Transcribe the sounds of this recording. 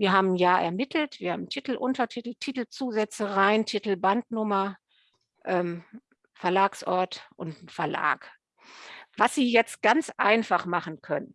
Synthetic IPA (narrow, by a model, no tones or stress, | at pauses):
viːɐɦaːbm̩jaːʔɛ̰ɐmɪtʰl̩tv̥iːɐha̰ːbm̩tʰitl̩ʔʊntɐtʰitl̩tʰitl̩t͡suːzɛt͡səʁaɪntʰitl̩bantnʊmɐ | ʔɛːm | fɛɐlaːksʔɔɐtʔʊntfɛɐla̰ːk | vasz̥iːjɛt͡st̚ɡ̥ant͡sʔa̰ɪnfaχmaχn̩kʰœnən